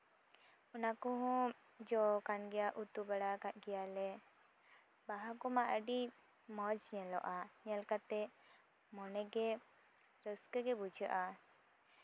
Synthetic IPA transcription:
ɔnakɔɦɔ̃ | d͡ʒɔkanɡɛjaʔut̪ubaɽakaʔɡɛjalɛ | baɦakɔmaʔəɖi | mɔd͡ʒɲɛlɔ̰ʔaɲɛlkat̪ɛ | mɔnɛɡɛ | ɾəskəɡɛbud͡ʒʱəʔa

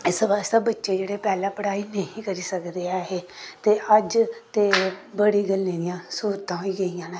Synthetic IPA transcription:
ɪsʋaːst̪aːbətːʃeːd͡ʒeːɽeːpɛːlãːpəɽaːiːnəĩːkəɾiːsəkd̪eːaːɦeːt̪eːʔəd͡ʒt̪eːbəɽiːɡəlːẽːd̪ɪjãːsuːɾt̪ãːɦoiːɡəijãːneː

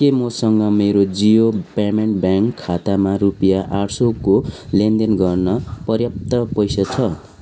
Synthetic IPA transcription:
kemʌsʌŋɡʌmeɾod͡zijopameɳʈbjaŋkʰːat̪amarupijaʔaʈʰsokolend̪enɡʌrnʌpʌrjʌp̚t̪ʌpʌjsat͡sʰʌ

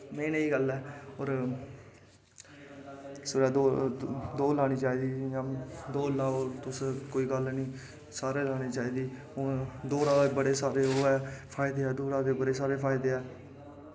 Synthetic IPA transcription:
meːneːiːɡəlɛːoːɾ | sʊɾɛːd̪oːd̪oːlaːñiːt͡ʃaːiːd̪iːjãːd̪oːlaːoːt̪ʊskoːiːɡəlnĩː | saːɾeːlaːɽ̃eːt͡ʃaːiːd̪iː | od̪oːɾaːɡbəɽeːsaːɾeːɦoːɛːpʰaːɪd̪eːɛːd̪oːɾaːɡebəɽeːsaːɾeːpʰaːɪd̪eːɛː

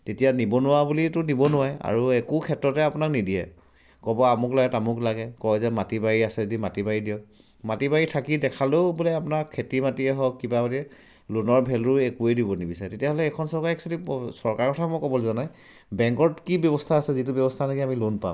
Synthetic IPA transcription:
tetijanibɔnʊwabulitʊnibɔnʊwaja̰ɹuekukʰɛtːɹɔtɛapʊnaknidiɛ̰ | kɔbɔamʊklaɡɛtamʊklaɡɛkɔjzɛmatibaɹiasɛzedimatibaɹidiɔ | matibaɹitʰakidɛkʰalobulɛapunaɹkʰetimatiɛɦɔkːibamatiɛ | lunɔɹbʱɛlʊekuejdibɔnibisaɛtetijaɦɔlɛɛkʰɔnsɔɹkaɹɛksalisɔɹkaɹkɔtʰamɔjkɔbɔlzɔnaj | bɛŋkɔtkibjɔbɔstʰaːsɛzitubɔbɔstʰanakiamilunpa̰m

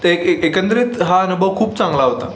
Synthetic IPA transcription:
ekekənd̪ɾet̪ɦaənubʱəʋkʰuːp̚t͡sãŋɡlaɦot̪a̰

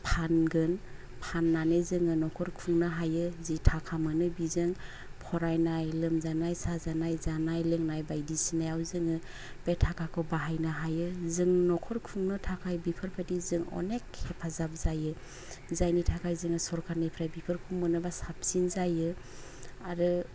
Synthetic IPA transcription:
pʰanɡɯn | pʰanːanezɯŋɯnɔkʰɔɾkʰuŋnaɦajɯzitʰakʰamɯnɯbizɯŋ | pʰɔɾajnajlɯmzanajsazanajzanajlɯŋnajbajdisinajawzɯŋɯ | b̥etʰakʰakʰɯwbaɦajnaɦajɯzɯŋnɔkʰɔɾkʰuŋnɯtʰakʰajbipʰɯɾpʰetizɯŋɔ̰nekhepʰazap̚zajɯ | zajnitʰakʰajzɯŋɯsɔɾkʰaɾnapʰɾajbipʰɯɾkʰuŋmɯnɯbasap̚sinzajɯ | aɾɯ

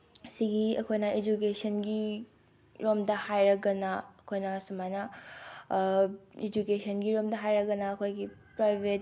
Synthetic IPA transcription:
siɡiɐkʰojnaed͡ʒuk̬eːʃɐnɡi | ɾomd̪ahajɾɐɡɐnaɐkʰoːjnasumajna | ed͡ʒukeːʃɐnɡiɾoːmd̪ɐɦaːjɾɐɡɐnaɐkʰojɡipɾajʋet

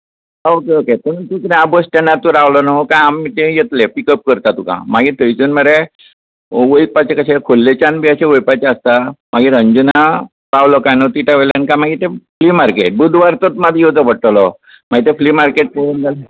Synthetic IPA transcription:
okeoket̪ənut̪ukɾabosʈanːat̪ũɾawlɔnakãjamːit̪ẽjet̪lepikəp̚kəɾt̪at̪ukã̰maɡit̪əjd͡zunməɾe | ʋəjpat͡ɕekəɕekʰolːet͡ɕanbiəɕeʋəjpat͡ɕaəst̪amaɡiːɾəɲd͡ʑuna | pawlɔkajnɔt̪iʈaʋelankãmaɡiːt̪eflimaɾkeʈ̚bud̪ʱʋaɾt̪ot̪mad̪ʱjod͡zəpəʈlɔ | maɡit̪ẽflimaɾkeʈ̚poɾund͡zal

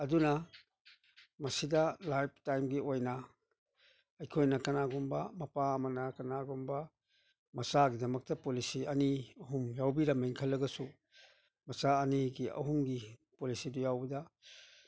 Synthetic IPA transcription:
ɐdunɐ | mɐsidɐlajb̚ʰtajmɡiojnɐ | ɐjkʰojnɐkɐnaɡumbɐmɐpaɐmɐnɐkɐnaɡumbɐ | mɐsaɡidɐmɐk̚tɐpolisiɐniɐɦumjawbiɾɐmeŋkʰɐlːɐɡɐsu | mɐsaːniɡiɐ̰ɦumɡipolisidujawbɐdɐ

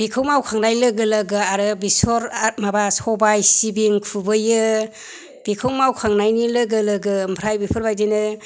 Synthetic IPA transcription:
bikʰɯwmawkʰaŋnajlɯɡɯlɯɡɯaɾɯbisɔɾamabasɔbajsibiŋkʰubɯjɯ | b̥ikʰɯwmawkʰaŋnajnilɯɡɯlɯɡɯmpʰɾajbipʰɯɾbajdinɯ

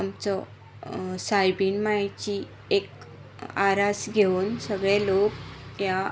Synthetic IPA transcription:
amt͡sɔ | sajbiːnmajt͡ɕi | ek | aɾasɡʱeunsəɡɭɛlokja

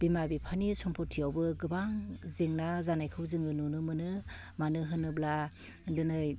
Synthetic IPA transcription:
bimabipʰanisɔmpʰɔtʰijawbɯɡɯbaŋzeŋnazanajkʰɯwzɯŋɯnunɯmɯnɯ | manɯɦɯnɯbla | ndɯnɯj

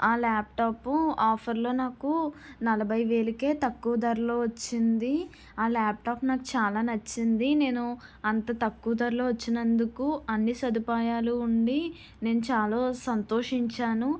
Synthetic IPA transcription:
aːlaːp̚ʈaːpuaːpʰɐɾlo̞ːnaːkunɐlɐbʱɐjiʋe̞ːlike̞ːt̪ɐkːuʋɐd̪ɐɾlo̞ːʋɐt͡ʃːind̪i | aːlaːp̚ʈaːpnaːkut͡ʃaːlaːnɐt͡ʃːind̪ine̞ːnu | ɐnt̪ɐt̪ɐkːuʋɐd̪ɐɾloːʋɐt͡ʃːinɐnd̪ukuɐnːisɐd̪upaːjaːluːɳɖi | ne̞ːnut͡ʃaːloːsɐnt̪o̞ːʂiɲt͡ʃaːnu

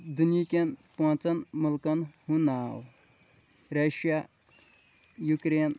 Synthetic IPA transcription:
d̪unikʲenpõːt͡sɐnmulkɐnhunaːw | ɾɐʃja | jukɾeːn

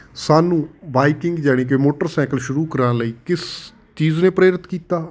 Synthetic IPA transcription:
saːnũːbaːikɪŋɡd͡ʒaːɽ̃iːk̬ɪeːmoːʈəɾsɛ̃ːkəlʃʊɾuːkəɾãːləiːkɪs | t͡ʃiːznẽːpɾeːɾɪt̪kiːt̪aː

